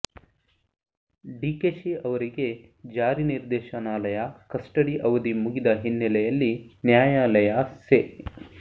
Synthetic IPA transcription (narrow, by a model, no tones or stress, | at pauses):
ɖiːkeːʃiɐʋɐɾiɡe̞ | d͡ʒaːɾiniɾd̪ɛːʃɐnaːlɐjɐkɐsʈɐɽiʔɐʋɐd̪imuɡid̪ɐɦinːɛlɛjɐlːinjaːjaːlɐjase